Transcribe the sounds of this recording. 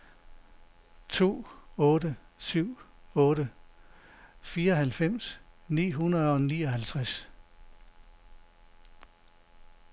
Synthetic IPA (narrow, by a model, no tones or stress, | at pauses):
t͡sʰo̝̰ːɔ̽ːɾə | syʊ̰ɔ̽ːɾ̥ə | fiːɐɒ̽hælfem̰snḭːɦunɐð̩ˠɒ̽niːɒhælt͡sʰʁas